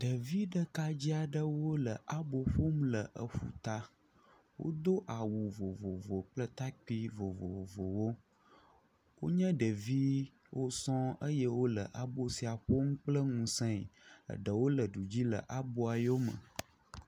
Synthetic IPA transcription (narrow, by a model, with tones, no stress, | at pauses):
ɖə˨vi˦ɖə˦ka˦d͡ʑi˦a˨ɖə˦wo˦lə˨ʔa˦bo˨ɸo˦m˦lə˨ʔə˨ɸṵ˨t̪a˦ | wo̰˦d̪o˦ʔa˨wu˨vo˨vo˨vo˨k͡plə˦t̪a˦k͡pi˦vo˨vo˨vo˨wo˦ | wo̰˦ɲə̃˦ɖə˨vi˦ | wʔo˦sɔ̃˦ə˦jə˦wo˦lə̰˨ʔa˦bo˦si˨a˨ɸo˦ŋũ˦k͡plə˦ŋũ˨sɛ̃˦ḭ˨ə̰˨ɖə˨wo˦lə˨ɖu˨d͡ʑi˦lə̰˨ʔa˦bo˦a˨jo˦mə̰˨